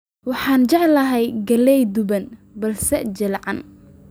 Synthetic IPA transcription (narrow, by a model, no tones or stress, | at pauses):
wɑħɑːnd͡ʒɛʕlɐɦɛjɡɐlɛjd̪ʊbɐnbɐlsɛd͡ʒɪlʕɑ̰n